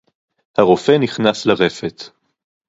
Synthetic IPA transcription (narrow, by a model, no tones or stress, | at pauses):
haʁo̞feniχnaslaʁefet̪